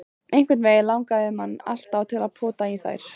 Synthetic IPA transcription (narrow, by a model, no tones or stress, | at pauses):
ejŋkvɛɾtnvejlawŋkaðɪmanːa̰l̥t̪awt̪ʰɪlaðpʰɔːt̪aiθa̰jɾ̥